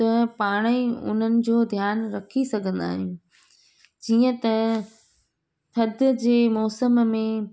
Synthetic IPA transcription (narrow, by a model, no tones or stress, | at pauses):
t̪ɐpaːɽ̃eʊ̰n̤ənɪ̆d͡ʑoːd̪ʱjaːnɾɐkʰisɐɡʱə̃nd̪a̰ːɦɪjũ | d͡ʑiːə̃t̪ɐ | t̪ʰɐd̪ʱd͡ʑeːmɔːsəmmẽ